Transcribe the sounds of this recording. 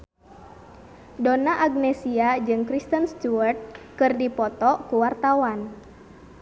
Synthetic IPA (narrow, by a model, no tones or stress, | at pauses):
donaʔaɡnɛsiad͡ʒɨŋkɾist̪ənst̪uərt̪̚kɨrdipɔt̪ɔkuwart̪awan